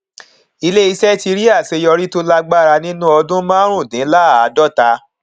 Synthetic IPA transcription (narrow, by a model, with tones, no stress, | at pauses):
i˧le˦i˧sɛ˦ti˧ɾi˦a˦˨se˧jɔ˧ɾi˦to˦la˦˧ɡ͡ba˦˨ɾa˧nĩ˦nũ˦ɔ˧dũ˦mãː˦ɾ̃ũ˦˨dĩ˨˦la˦˨a˨˦dɔ˦˨ta˧